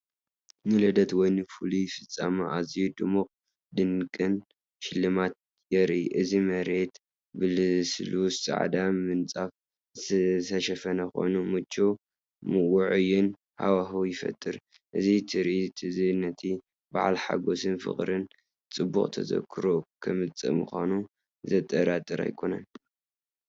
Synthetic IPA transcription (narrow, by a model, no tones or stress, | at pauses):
nɨlɐd̪ɐt̪wɔjnɨfulujfɨt͡sʼːa̰maʔazijud̪ɨmukʼ | d̪ɨnkʼɨn | ʃɪlːɨmat̪̚ | jɛɾʔiʔɨzimɐɾe̞t̪ | bɨlslussʼa̰ʕd̪amɨnt͡sʼaf | sʰɐʃɐfɐnɐxo̰numɨt͡ʃʼːo | mɨwʊʕujɪn | ha̰waɦujɪfɐ̰t̪ʼːɨɾ | ʔɨzit̪ʰɨɾʔit̪ʰizɨnːɐt̪ʰi | baʕalħa̰ɡo̞sɨnfɨ̰χʼɾɨn | t͡sʼɨbṵχʼt̪ʰɐ̰zɐ̰kʰɨɾokʰɐmɨt͡sʼɨ̰mṵxʷanu | zɐt̪ʼːɐɾat̪ʼɨɾa̰jkʰo̞nɐn